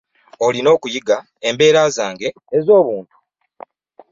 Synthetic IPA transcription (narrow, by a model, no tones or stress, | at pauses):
o̞lino̞ːkujiɡa | embe̞ːɾaːzaːŋɡe̞ | ezo̞ːβuːntu̥